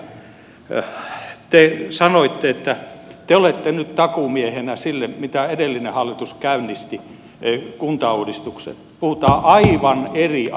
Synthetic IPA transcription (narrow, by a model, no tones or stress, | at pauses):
t̪esɑnoit̪ːeet̪ːæt̪eolet̪ːenyt̪t̪ɑkumiehenæsilːemit̪æedelːinehɑlːit̪uskæynːist̪i | kunt̪ɑuːdist̪uksḛt̪puhut̪ɑːʔɑiʋɑneri